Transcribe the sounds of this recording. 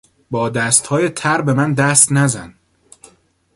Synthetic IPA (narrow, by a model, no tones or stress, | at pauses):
bɒːd̪æst̪hɒːjet̪ʰæɾbe̞mænd̪æst̪næzæn